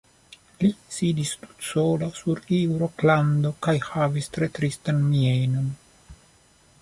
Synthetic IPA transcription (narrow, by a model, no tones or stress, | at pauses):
lisiːd̪ist̪u̥t̪soːlasuɾiwɾokland̪okajhaːvist̪ɾet̪ɾist̪anmienon